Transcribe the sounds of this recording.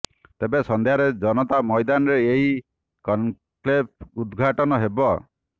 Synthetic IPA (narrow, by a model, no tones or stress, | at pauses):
t̪ebesɔnd̪ejaɾed͡ʒɔnɔt̪amɔjd̪anɔɾeeɦi | kɔn | plep̚ud̪ɡʱaʈɔnɔɦebɔ